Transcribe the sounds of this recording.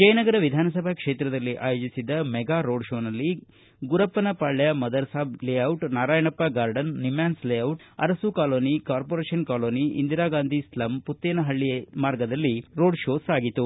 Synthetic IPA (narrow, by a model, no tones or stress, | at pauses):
t͡ʃɐjɐnɐɡɐɾɐʋid̪ʱaːnɐsɐbʱɐkʂe̞ːt̪ɾɐd̪ɐlːiʔaːjoːd͡ʒisid̪ːɐmɛɡaːɾoːɖʃoːnɐlːi | ɡuɾɐpːɐnɐpaːɭːɐjɐmɐd̪ɐɾsaːbleɐwʈnaːɾaːjɐnɐpːɐɡaːɾɖɐnːimjaːnsleːɐwʈɐ̰ɾɐsukaːloːnikaːɾpoɾeːʃɐnkaːloːniḭnd̪iɾaːɡaːnd̪ʱislɐmput̪ːeːnɐɦɐɭːijemaːɾɡɐd̪ɐlːiɾo̞ːɖʂoːsaːɡit̪u